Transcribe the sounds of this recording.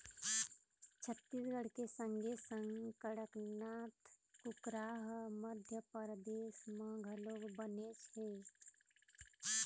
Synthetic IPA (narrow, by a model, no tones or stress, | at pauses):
t͡ʃʰət̪ːiːsɡəɽ̤kesə̃ŋɡʱesə̃ŋɡkəɽəknaːt̪kʊkɾaːɦməd̪ʱjəpəɾd̪eːʃmãɡʱəlobəneːsɦeː